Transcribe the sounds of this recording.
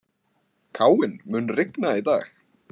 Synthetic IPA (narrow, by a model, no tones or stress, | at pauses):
kʰaːwɪnmʏnrɪknaiða̰ːx